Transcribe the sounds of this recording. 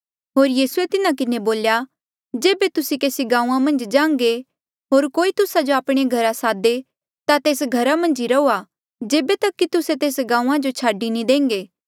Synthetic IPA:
ɦoːɾjiːsuet̪ɪnãkɪneboːlja | d͡ʒeːbet̪ʊsikeːsiɡãːũãmɐ̃nd͡ʒd͡ʒãːŋɡe | ɦoːɾkoːit̪ʊsad͡ʒoaːpɽ̃eɡʱɐɾasaːd̪e | t̪at̪eːsɡʱɐɾamɐ̃nd͡ʒiɾɐuːa | d͡ʒeːbet̪ɐkːit̪ʊset̪eːsɡãːũãd͡ʒot͡ʃʰaːɖinĩd̪ẽːŋɡeː

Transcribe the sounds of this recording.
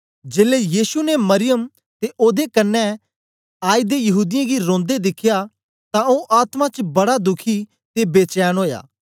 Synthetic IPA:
d͡ʒeːlejiːsunemɐɾɪjəm | t̪eʔoːd̪ekɐnːɛ̃ | aːid̪ejɐɦuːd̪ɪjãɡiɾõːnd̪ed̪ɪkʰːja | t̪ãõʔaːt̪mãt͡ʃbɐɽad̪ʊkʰi | t̪ebeːt͡ʃɛːnɦoːja̰ː

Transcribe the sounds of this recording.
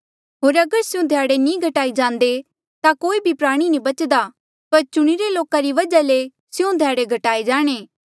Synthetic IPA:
ɦoːɾɐɡəɾsɪjũd̪ʱjaːɽenĩɡʱɐʈaːid͡ʒãːnd̪e | t̪akoːibʱipɾaːɽ̃inĩbɐt͡ʃd̪a | pɐɾt͡ʃʊɽ̃iɾeloːkaɾiʋɐd͡ʒale | sɪjũd̪ʱjaːɽeɡʱɐʈaːed͡ʒaːɽ̃eː

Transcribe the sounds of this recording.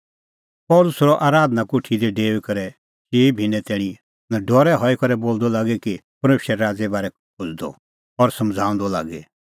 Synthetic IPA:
pɔːlʊsɾɔʔaːɾaːd̪nakuʈʰid̪ɛɖeːʋekɐɾɛ | t͡ʃeːibʱinɛt̪ɛːɽ̃ĩ | naɖɔːɾɛɦɔikɐɾɛboːld̪ɔlaːɡɛkipɐɾmeːʃɾɛɾaːd͡zɛbaːɾɛ | kʰʊd͡zd̪ɔ̰ | ɔɾsɐmd͡zʱaːʊ̃nd̪ɔla̰ːɡɛ

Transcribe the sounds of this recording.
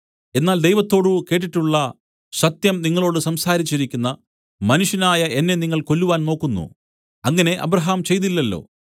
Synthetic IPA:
e̞nːaːld̪e̞jʋɐt̪ːo̞ːɽuke̞ːʈ̬ːiʈːuɭːɐ | ɕɐt̪jɐmniŋːɐɭo̞ːɽɨsɐmsaːɾit͡ɕːiɾikʲːunːɐ | mɐnuʂjɐnaːjɐe̞nːe̞niŋːɐɭko̞lːuʋaːnno̞ːkːunːṵ | ɐŋːɐne̞ʔɐ̰bɾɐɦaːmt͡ɕe̞jt̪ilːɐlːo̞̰ː

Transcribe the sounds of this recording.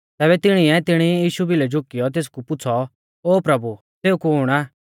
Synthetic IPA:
t̪ɛːβɛt̪ɪɽ̃iɛt̪ɪɽ̃ijiːʃubilɛd͡ʒʊkːɪjɔt̪̬eːs̬kupʊtːt͡sʰɔ | oːpɾɐbu | seːukuɦʊːɽ̃aː

